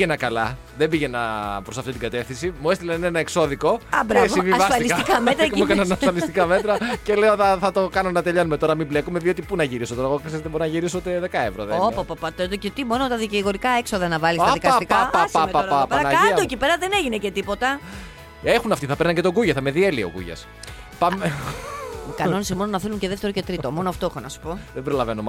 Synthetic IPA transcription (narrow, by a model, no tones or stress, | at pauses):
ʝenɐkɐlɐ̰ | ðembiʝenɐ̰pɾo̞sɐft̪it̪iɡɐt̪e̞fθinsimuest̪ilɐninenɐekso̞ðiko̞ɐbɾɐvsivivɐsɐlisikɐmet̪ɾɐmukɐnɐnɐsfɐlist̪ikɐme̞t̪ɾɐce̞le̞oðɐθɐt̪o̞kɐnonɐt̪e̞ʎɐnume̞t̪o̞ɾɐmible̞kume̞ðio̞t̪ipunɐʝiɾisot̪oɾɐɣoksezet̪eboɾinɐʝiɾis̬ot̪eðe̞kɐevɾoðeopopɐpɐt̪ed̪ocet̪imo̞not̪ɐðiciɣo̞ɾikɐe̞ksoðɐnɐvɐliɐðikɐsipkaasaaapɐnɐɐiɐoecipeɾɐðeneʝinece̞t̪ipo̞t̪ɐ | exunɐft̪iθɐpɾnɐɲcet̪o̞ɡuʝɐθɐme̞ðielio̰kṵʝɐ̰s | pɐme | ikɐno̞nisimo̞nonɐθeluɲceðeft̪e̞ɾo̞ce̞t̪ɾit̪o̞mo̞noɐft̪oexonɐsu̥po̞ðebɾo̞lɐvenom